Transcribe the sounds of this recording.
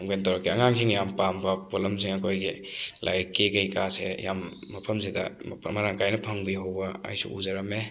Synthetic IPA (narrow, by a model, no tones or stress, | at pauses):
ŋbentɐwɾɐkːiɐŋaŋsiŋjampambɐpolɐmsiŋɐkʰojɡilʔajkekɐjkasḛja̰mːɐpʰɐmzidɐ̰mɐɾaŋkajnɐpʰɐŋbiɦowbɐɐ̰jsṵṵzɐɾɐme